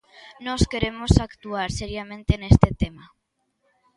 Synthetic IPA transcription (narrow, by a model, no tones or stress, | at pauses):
nɔskeɾemosakt̪uaɾseɾjamẽnt̪enest̪et̪ema